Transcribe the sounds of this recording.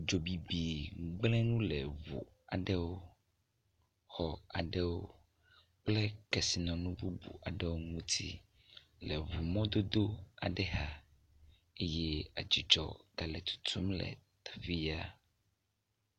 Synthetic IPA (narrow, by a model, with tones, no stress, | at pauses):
d͡ʒo˨bi˨bi˨ɡ͡blɛ̃˦nũ˦lɛ˨vṵ˨ | a˨ɖɛ˦wo˦ | xɔ˨a˨ɖɛ˦wo˦ | k͡plɛ˦kɛ˨si˨nɔ̃˨nũ˦bu˦bṵ˨a˨ɖɛ˦wo˦ŋũ˦t̪ʰḭ˦ | lɛ˨vu˨mɔ̃˦d̪o˦d̪o˦a̰˨ɖɛ˦ɦa˦ | e˦jɛ˦a̰˨d͡ʒi˨d͡ʒɔ̰˨ɡ̪a˨lɛ˨t̪u̥˦t̪ʰu˦mlɛ̰˨t̪ḁ˨fi˦ja˦